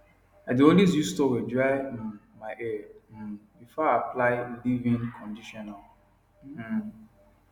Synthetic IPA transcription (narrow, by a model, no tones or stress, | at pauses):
adiodiz̬justowɛd͡ʒaɪm̩maɪʔɛ | bifɔaplaɪwidivĩnkʰɔ̃ndiʃɔnal̩